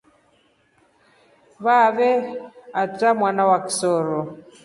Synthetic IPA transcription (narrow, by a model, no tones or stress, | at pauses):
βaβɛat͡samwanawaki̥sɔɾɔ